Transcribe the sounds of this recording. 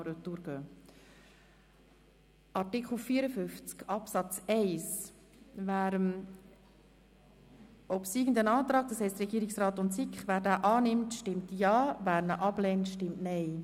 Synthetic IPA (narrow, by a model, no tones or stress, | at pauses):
ɾəduɾɡ̥øː | ʔɑtɪkχl̩fiːɾəfʏft͡skɑpsɑt͡sɛɪs | væːɾəm | ɔpsiːɡən̩dənɑːt̪ɾɑːɡ̚dɑshɛɪstɾɛɡiːəɾɪksrɑːtʊntsikχvæːɾdæːʔɑːnɪmtʃtɪmtjɑːvæːɾnəʔɑblɛːntʃtɪmtnɛɪ